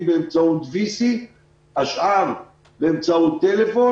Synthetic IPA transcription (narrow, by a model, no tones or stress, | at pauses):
beemt͡saut̪visi | haʃʔaʁ | beemt͡saut̪ːelefo̞